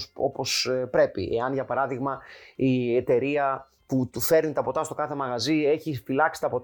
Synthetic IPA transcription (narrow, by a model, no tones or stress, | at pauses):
so̞po̞spɾe̞pḭʔe̞ɐnʝɐpɐɾɐðiɣmɐiet̪e̞ɾiɐ | put̪ufe̞ɾnit̪ɐpo̞t̪ɐst̪o̞kɐθe̞mɐɣɐzie̞çifilɐksi̥t̪ɐpo̞t̪